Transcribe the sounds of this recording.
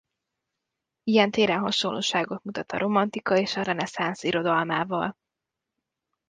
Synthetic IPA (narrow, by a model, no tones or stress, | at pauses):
ijɛnt̪eːɾɛnɦɒʃonlːo̰ːʃaːɡot̪mut̪ɒt̪ɒɾʔo̞mɒnt̪ikɒeːʃɒɾɛnɛsansiɾo̞d̪ɒlmaːvɒl